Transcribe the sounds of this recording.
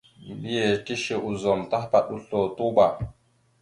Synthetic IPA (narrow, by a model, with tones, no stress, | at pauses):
m˨bi˦je˨ti˦ʃe˨ʔu˨zɔ˨mta˦hpa˨ɗu˦ɬo˨tu˦ɓa˨